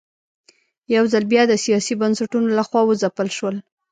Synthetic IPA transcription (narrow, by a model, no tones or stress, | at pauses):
jawzalbjɑd̪əsijɑsibansaʈunolaxwɑwəzapəlʃwəl